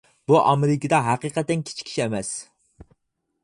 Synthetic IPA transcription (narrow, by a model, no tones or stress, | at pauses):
buʔɑmeɾɪkʲid̪ɛɦæqɨqʰæt̪ːɛnkʲʰi̥t͡ʃʰkʲʰːi̥ʃɛmɛs